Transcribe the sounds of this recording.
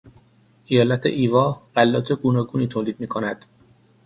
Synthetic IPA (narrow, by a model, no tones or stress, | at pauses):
ʔijɒːlæt̪ʰḛʔiːvɒːɢælːɒːt̪ʰeɡuːnɒːɡuːniːt̪ʰoːliːd̪̥̚miːkʰonæd̪̥